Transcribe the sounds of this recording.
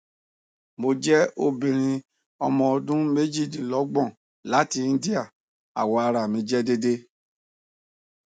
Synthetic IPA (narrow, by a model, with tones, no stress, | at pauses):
mo˧d͡ʒɛ˦o˦˨bĩ˨ɾ̃ĩ˧ | ɔ˧mɔ̃˧dũ˦me˦d͡ʒi˦˨dĩ˨lɔ˨˦ɡ͡bɔ̃˦˨ | la˨˦ti˧˦n̩˦di˦a˦˨ | a̰˨wɔ˧a˧ɾa˨mĩ˨˦d͡ʒɛ˦de˦de˦